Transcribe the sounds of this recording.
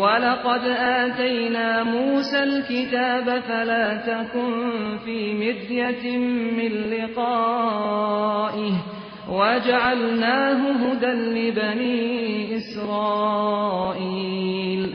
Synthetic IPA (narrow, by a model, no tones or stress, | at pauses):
wɑlɑqɑd̪ʔaːt̪ajnaːmuːsalkɪt̪aːbafalaːt̪akʊnfiːmɪd̪jammɪnlɪqɑː | ʔɪh | wad͡ʒaʕalnaːɦʊɦʊd̪anlɪbaniːʔɪsɾˤɑːʔiːl